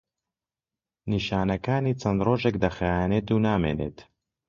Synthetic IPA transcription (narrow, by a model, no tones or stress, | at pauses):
niːʃaːnɐkaːniːt͡sʰɐnd̪roːʒekd̪ɐxajaːneːt̪uːnaːmḛːnḛːt̪